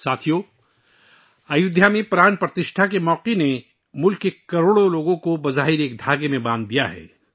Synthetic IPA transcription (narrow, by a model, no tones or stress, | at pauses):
saːt̪ʰijoː | ɐjʊd̪jamẽpɾaːɳpɾɐt̪ɪʃʈʰakemɔːqene | mʊlkːekɐɾoːɽoloːɡõkobɐzaːɦɪɾeːk̚d̪ʱaːɡemẽbãːnd̪ːijaɦɛ̰ː